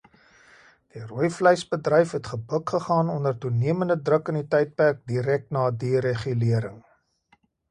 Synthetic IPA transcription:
d̥iruəjfləjsbədrəjfɦɛtχəbəkχəχɑːnɔndərtuniəməndədrəkənitɛjt̚pærk̚diɾɛk̚tnɑːdiɾeχyliəɾəŋ

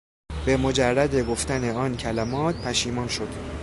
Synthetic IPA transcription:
b̥e̞mo̞d͡ʒærːæd̪eɡoft̪æne̞ɒːncʰælæmɒːt̪̚pʰæʃiːmɒːnʃod̪̥

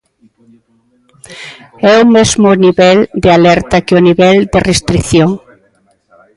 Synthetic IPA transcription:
ɛumezmʊniβɛld̪ealɛɾt̪akeʊniβɛld̪erest̪ɾiθjoŋ

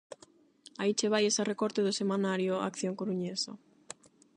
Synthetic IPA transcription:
ait͡ʃeβ̞ajesarekɔɾt̪eðʊsemanaɾjoa̰kθjoŋkoɾuɲesa

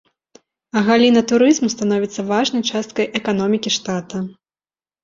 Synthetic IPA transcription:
ɐɣalʲinɐt̪uɾɨzmust̪an̪ɔvʲit̪sːɐvaʐnɐjt͡ʂast̪̚kɐjʔɛkan̪ɔmʲikʲiʂt̪at̪ɐ

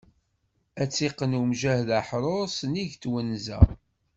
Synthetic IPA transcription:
æt͡sːiqːənumʒæhðaħɾˤoɾˤsniʝt̪wənːzæ̰

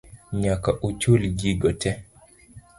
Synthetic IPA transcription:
ɲakaʔut͡ʃulɡiɡɔtʰɛ

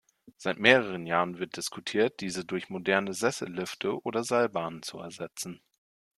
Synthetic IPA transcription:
z̥aɪtmeːʁ̞əʁ̞ənjaːʁənvɪɐt̚d̥ɪskutʰiːɐt̚d̥iːzədʊɐçmodɛɐnəzɛsl̩lʏftʰəʔoːdɐzalbaːnənt͡suɛ̰ɐzɛt͡sn̩

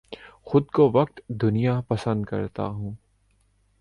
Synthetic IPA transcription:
xʊd̪koʋɐq̚t̪d̪ʊnijapɐsə̃nd̪kɐ̰ɾt̪a̰ɦũː

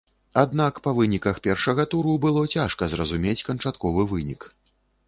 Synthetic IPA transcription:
ad̪nakpɐvɨnʲikɐxpʲɛrʂɐɣɐt̪uɾubɨlˠɔt͡sʲaʂkɐzrɐzumʲet͡sʲkɐnt͡ʂat̪kɔvɨvɨnʲik

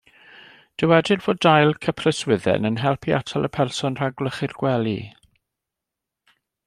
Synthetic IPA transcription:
d̥əwɛdɪrv̥oːdajlˠkʰəpʰrəswɪðɛ̰nənɦɛlˠpʰiʔa̰tʰalˠʔəpʰɛrsɔnr̥aɡləχɪrɡ̥wɛlˠḭ

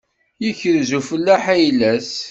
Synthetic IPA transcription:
jəçəɾzufəlːæħæjlæs

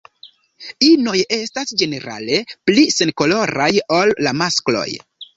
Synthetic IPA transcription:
ino̞je̞stasd͡ʒe̞ne̞ɾa̰le̞plise̞nko̞lo̞ɾajo̞lːamasklo̞̰j

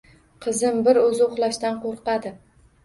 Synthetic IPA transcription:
qʰɨzɪmbɪɾɵzɪʊχlˠaʃt̪anqʰoɾqɑd̪ɪ

